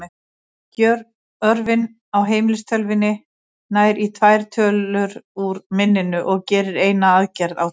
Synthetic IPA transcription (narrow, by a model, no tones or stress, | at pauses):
cœɾ | œɾvɪn | awɦeːjmɪlɪst̪ʰœlvɪnːɪ | naːjɾit̪ʰvajɾ̥t̪ʰœːlʏɾuɾmɪnːɪnʏʔɔɣcɛːɾɪɾeːjnaaðcɛɾðaw